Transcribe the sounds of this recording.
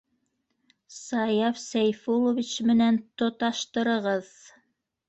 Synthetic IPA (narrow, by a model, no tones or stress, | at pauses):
sɑjɑfsæjfulˠovʲit͡ɕmɘ̆nænt̪ŏt̪ɑʃt̪ɤ̆ɾɤ̆ʁɤð